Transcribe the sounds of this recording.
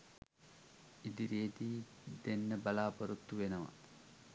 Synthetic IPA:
id̪iɾeːd̪iː | d̪enːəbɐlaːpoɾut̪ːuʋenəʋɐ̰

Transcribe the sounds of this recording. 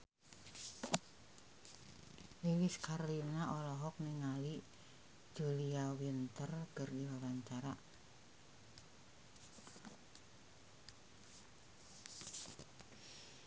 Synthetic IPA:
lewiskarlinaʔɔlɔɦɔk̚niŋali̥ | d͡ʒ̥uliawint̪ərkərdiwawaɲt͡ʃaɾa

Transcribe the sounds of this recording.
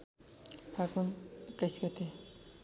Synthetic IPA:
pʰakunekːajsɡʌt̪ʰe

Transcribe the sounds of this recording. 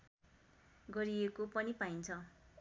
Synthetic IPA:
ɡʌɾiekopʌnipaint͡sʰʌ

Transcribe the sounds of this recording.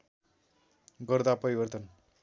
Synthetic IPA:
ɡʌrd̪apʌɾibʌrt̪ʌn

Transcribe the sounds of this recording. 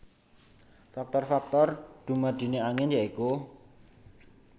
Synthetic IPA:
fak̚t̪ɔrfak̚t̪ɔrd̪̥ṳmad̪̥i̤neaŋɪnjaiku

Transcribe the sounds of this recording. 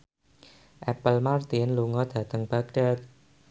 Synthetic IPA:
ʔɛpəlmart̪inluŋɔd̪̥ä̤t̪əŋb̥aɡ̚ɖ̥at̪̚

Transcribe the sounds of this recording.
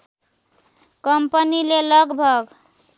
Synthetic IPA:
kəmpənileləɡbʱʌɡ

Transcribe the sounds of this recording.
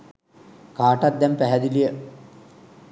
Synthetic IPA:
kaːʈat̪̚d̪ɛmpæɦɐd̪ilijə

